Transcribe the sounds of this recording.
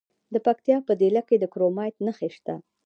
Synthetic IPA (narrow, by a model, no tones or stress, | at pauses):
d̪əpak̚t̪jɑpəd̪elaked̪əkɾomɑjt̪nəxeʃt̪a